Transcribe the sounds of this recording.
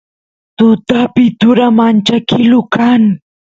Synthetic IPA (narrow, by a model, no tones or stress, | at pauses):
t̪ʊt̪apɪt̪ʊɾamant͡ʃakɪlʊkaŋ